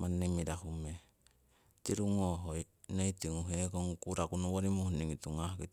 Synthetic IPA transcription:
manːemiɾahume | tiɾuŋoɦoj | neitiŋuɦekoŋkuɾakunuwoɾimuhniŋituŋahkit

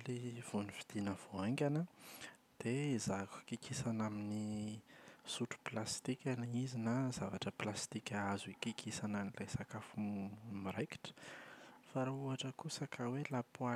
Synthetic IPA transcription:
liv̥onifid̪̥inəv̥oaŋɡʲanə | d̪̥eizakkikisanamini | suʈ͡ʂu̥plast̪ikʲanizinazavaʈ͡ʂəplast̪ikʲaazikikʰisananilajsakafumiɾeki̥ʈ͡ʂə̥ | faɾauaʈ͡ʂəkusakʰawelapua

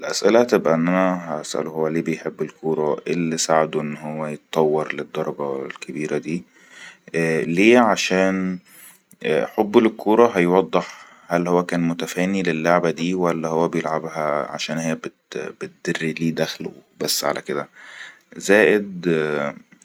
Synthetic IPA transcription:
ʔelʔæsʔelæt̪ebʔæʔenːʔænæɦæʔæsʔæ̰lohowːæleːbejħebːelkʰuːɾˤɑʔelːisaʕed̪oʔenːɦowːæjet̪ɑt̪ˤːɑwːɑɾˤled̪ˤːɑɾˤɑɡɑwelkʰebiːɾæd̪iː | leːʕaʃæːn | ħobːelkʰːuːɾˤɑɦæjwɑd̪ˤːeħ | hælhowːækæːnmʊt̪æfæːnilelːoʕbæd̪iːwælːæhowːæbejelʕabhæʕa̰ʃæːnhejːæbet̪bet̪̚d̪̥erːiliːd̪æxlo̰bæsːʕa̰lʔæ̰ked̪æ | zæːʔed̪

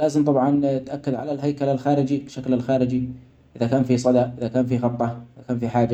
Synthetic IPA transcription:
laːzɪmt̪ˤɑbʕɑnt̪ʔakːad̪ʕalalɦajkalalxaːɾɪd͡ʒibɪʃaklalxaːɾɪd͡ʒi | ʔɪðakaːnfisˤɑd̪aʔɪðakaːnfiɣɑt̪ˤːɑʔɪðakaːnfiħaːd͡ʒa

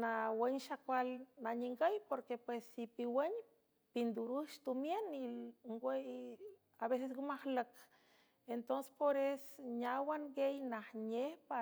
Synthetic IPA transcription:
nawenʃakʷalnaɲiŋɡəjpoɾkepwesːipiweɲ | pind̪uɾuʃt̪umjeniŋɡʷej | aβes̬esɡumahlək | ent̪onse̥spoɾesɲawaŋɡejnahɲehpa

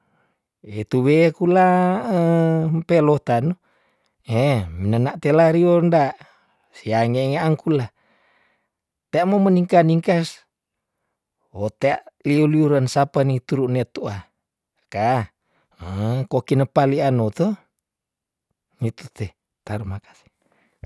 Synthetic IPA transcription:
et̪uβekulaəmpelot̪anu | eminənaʔt̪elaɾiondaʔ | siaŋeŋaʔːŋkula | t̪eaʔmoməniŋkaniŋkas | ot̪eaʔliuliuɾansapanit̪uɾuʔnet̪ua | ka | əkokinəpalianot̪o | ŋit̪ut̪e | t̪aɾumakḁsi̥

